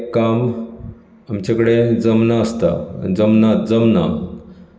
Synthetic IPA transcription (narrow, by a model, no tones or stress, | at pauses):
kam | amt͡ɕakəɽed͡zəmnaəst̪a̰d͡zəmnat̪d͡zəmna